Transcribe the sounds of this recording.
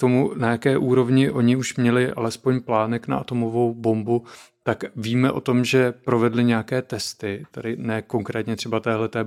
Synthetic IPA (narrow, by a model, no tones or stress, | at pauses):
t̪o̞munajakɛːʔuːɾo̞vɲɪʔo̞ɲɪuʃmɲɛlɪʔa̰lɛspo̞ɲplaːnɛkna̰ʔat̪o̞mo̞vo̞wbo̞mbu | t̪akviːmɛʔo̞̰t̪o̞mʒɛpɾo̞vɛdlɪɲɛakɛːt̪ɛst̪ɪt̪adɪnɛːko̞ŋkɾɛːt̪ɲɛt̪r̥ɛbat̪ɛːɦlɛt̪ɛː